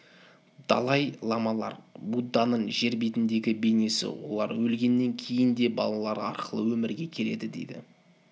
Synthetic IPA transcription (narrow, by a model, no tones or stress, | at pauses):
d̪̥ɑ̰lˠɑjlˠɑmɑlˠɑ̰ɾbud̪ːɑnəɴʒe̞ɾbe̞t̪ɪnd̪e̞ɡʲɪbe̞ne̞sɪ̰wo̞̰lˠɑ̰ɾwɵlɡʲe̞nːe̞ŋkʲʰe̞jɪnd̪e̞bɑ̰lˠɑlˠɑɾɑ̰ɾqəlˠəwɵmɪɾɡʲe̞kʲʰe̞le̞d̪ɪd̪e̞̰jd̪ɪ̰